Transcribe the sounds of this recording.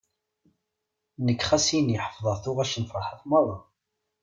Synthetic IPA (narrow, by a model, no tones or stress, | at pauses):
nəkːχæsinjəħə̥fðˤəɾθʊʁæʃənfɾħaθmɑðˤɑ